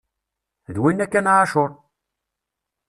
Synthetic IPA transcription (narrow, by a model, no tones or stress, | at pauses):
ðwinːækːænʕaʃoɾˤ